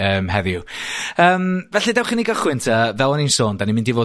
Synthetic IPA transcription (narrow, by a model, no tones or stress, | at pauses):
əːmhɛðjuəːmvɛɬɨdɛwχiniɡɔχwɨntʰəvɛlˠɔninsoːndanimɪ̃ndivoː